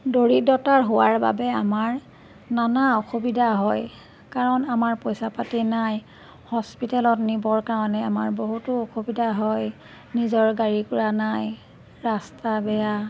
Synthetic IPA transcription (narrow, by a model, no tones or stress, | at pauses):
doɹidɔtaɹɦowaɹba̰bɛamaɹ | nanaoxobidʱaɦɔj | kaɹɔnamaɹpɔjsapatɛnaj | hɔspitɛlɔtnibɔɹkaɹɔnɛama̰ɹboɦutʊoxobidʱaɦɔj | nizɔɹɡaɹikʊɹanaj | ɹastabɛja